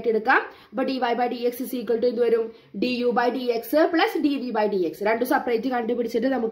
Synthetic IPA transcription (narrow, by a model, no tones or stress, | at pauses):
ʈːeɽɯkːãː | bɐʈɖiːʋɐjbɐjɖiekssiːkːɐɭʈːend̪ɯʋɐɾum | ɖijuːbɐjɖieksɨpɭɐsɖiʋibɐjɖiːeksɾeɳɖusɐprɐjd͡ʑɨkɐɳɖupːiɽit͡ɕːɐʈːɨnɐmukː